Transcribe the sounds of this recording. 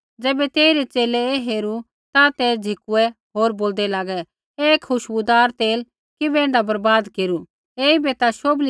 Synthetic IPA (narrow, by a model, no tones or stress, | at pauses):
d͡zɛːbɛt̪eːiɾɛt͡seːlɛeɦeːɾu | t̪at̪ɛd͡zʱɪkuɛɦoːɾboːld̪ɛlaːɡɛ | ekʰːʊʃbud̪aːɾt̪eːl | kɪbɛɪ̃ɳɖabɐɾbaːd̪keːɾu | eːibɛt̪aʃoːbli